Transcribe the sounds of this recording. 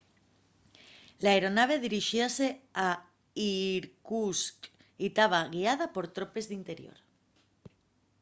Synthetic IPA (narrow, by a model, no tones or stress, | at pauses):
laeɾo̞naβ̞e̞ðiɾiʃiasea | iɾkusk | it̪aβaɣiað̞apo̞ɾt̪ɾope̞zðint̪e̞ɾjo̞̰ɾ